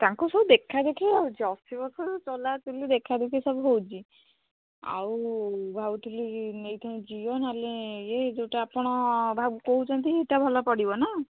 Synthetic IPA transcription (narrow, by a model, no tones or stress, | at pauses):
t̪aŋkusɔbud̪ekʰad̪ekʰiawt͡ʃʰiɔsibɔsɔɾɔt͡ʃɔlat̪ulid̪ekʰad̪ekʰisɔbuɦowt͡ʃʰi | a̰wbʱabut̪ʰulinejt̪ʰaĩd͡ʒijɔnaleed͡ʒewʈaːpɔɽ̃ɔbʱabukoɦut͡ʃʰɔnt̪ieʈabʱɔlɔpɔɽibɔna